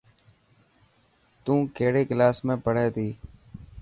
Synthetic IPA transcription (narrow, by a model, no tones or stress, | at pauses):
t̪ũːkeːɽeːklaːsmẽːpəɽ̤eːt̪iː